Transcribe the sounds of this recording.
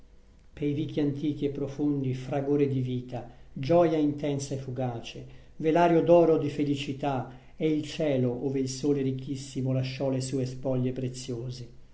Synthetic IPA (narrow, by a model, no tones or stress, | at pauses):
pejrikːiant̪iːk̟iepːɾofond̪ifɾaɡoːɾed̪iviːt̪ad͡ʒɔjaint̪ɛnsaefːuɡaːt͡ʃe | velaːɾjod̪ɔːɾod̪ifelit͡ʃit̪a | ɛilt͡ʃɛːloʔoːveilsoːleɾikʰːisːimolaʃːɔlesuːespɔʎːepɾet̪sːjoːze